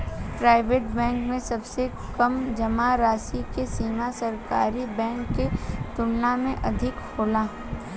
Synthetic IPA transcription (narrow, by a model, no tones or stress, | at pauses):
pɾaːɪʋeːʈbɛ̃ːŋkmẽsɐbse | kɐmd͡ʒɐmaɾaːsikesiːmasɐɾkaːɾibɛ̃ːŋkːet̪ʊnːamẽʔɐd̪ʱɪkhoːlaː